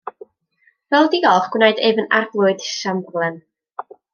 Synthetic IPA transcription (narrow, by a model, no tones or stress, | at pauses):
vɛlˠdiɡɔlˠχɡ̥wnaɨdevənarblˠʊɨd̥samblˠɛn